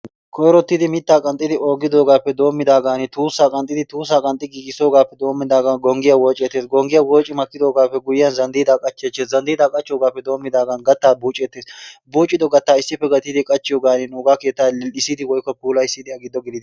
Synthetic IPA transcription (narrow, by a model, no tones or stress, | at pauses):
kʰɔjɾɔt̪ːɪd̪ɪmɪt̪ːaːkʼɐnt̪ʼːɪd̪ɪʔo̞ːɡɪd̪o̞ːɡaːpːɛd̪o̞ːmːɪd̪aːɡaːnɪt̪uːsːaːkʼɐnt̪ʼːɪd̪ɪt̪uːsːaːkʼɐnt̪ʼːɪɡiɡɪso̞ːɡaːpːɛd̪o̞ːmːɪd̪aːɡanɡɔŋɡɪjɐwoːt͡ʃʼeːt̪ːe̞ːsɡɔŋɡɪjɐwoːt͡ʃʼːɪmɐkːɪd̪o̞ːɡaːpːɛɡʊjɪːjɐnzɐnd̪iːd̪aːkʼɐt͡ʃːeːt͡ʃːeːszɐnd̪iːd̪aːkʼɐt͡ʃːɪjoːɡaːpːɛd̪o̞ːmːɪd̪aːɡaːnɡɐt̪ːaːbuːt͡ʃʼːeːt̪ːeːsbuːt͡ʃʼːɪd̪ɔɡɐt̪ːaːɪsːɪpːɛɡɐt̪ːɪd̪ɪkʼɐt͡ʃːɪjoːɡaːnɪnʊːɡaːke̞ːt̪ːaːɪsːɪd̪ɪwɔjkːɔpuːlɐɪsːɪd̪ɪɐɡɪd̪ːɔɡɪdɪd̪